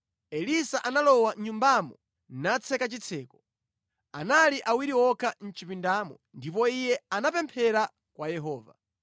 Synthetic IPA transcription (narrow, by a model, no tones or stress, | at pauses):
ɛlisaʔanalɔwaɲumbamɔ | nat͡sʰɛkat͡ʃit͡sʰɛːkɔ̥ | analiʔawiɾiwɔkʰan̩t͡ʃipindamɔ̰ | ndip̬ɔijɛanapɛmpʰɛɾa | kwajɛɦɔːva